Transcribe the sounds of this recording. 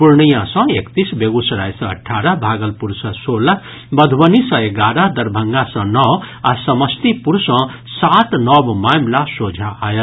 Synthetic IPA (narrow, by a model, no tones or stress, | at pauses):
puɾnəjãsʌ̃ekt̪isbeɡusɐɾajsʌ̰̃ːʈʰːaɾʌbʱaɡʌlpuɾsʌsola | bʌd̪ʱwʌnisʌ̃eɡaɾʌd̪ʌɾbʱəŋɡasʌ̃nʌwasʌmʌst̪ipuɾsʌ̃ | sat̪nʌbmamlasod͡zʱaajə